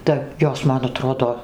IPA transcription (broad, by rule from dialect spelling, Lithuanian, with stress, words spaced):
tɐ ˈjoːs ˈmɐn ɐˈtroːdoː